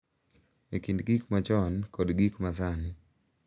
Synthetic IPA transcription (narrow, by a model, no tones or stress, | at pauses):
ekindɡikmat͡ʃɔnkɔdɡikmasani